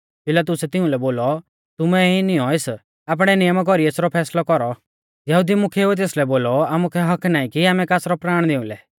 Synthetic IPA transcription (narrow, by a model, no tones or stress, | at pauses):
pɪlat̪̬ʊsɛt̪ɪũlɛboːlɔ | t̪ʊmɛinɪjɔ̃es | aːp̬ɽ̃ɛnɪjəmk̬ɔɾieːsɾɔpʰɛːslɔkɔɾɔ | jɐɦud̪imʊkʰeɛt̪̬eːslɛboːlɔaːmukʰɛɦɐkʰnaːĩkiaːmɛ̃kaːsɾɔpɾaːɽ̃d̪eʊ̃lɛ